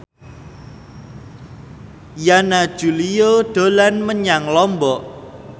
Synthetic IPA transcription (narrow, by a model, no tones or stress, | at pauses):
janḁʒ̥ṳlijoɖ̪̥o̤lanməɲaŋlɔmbɔʔ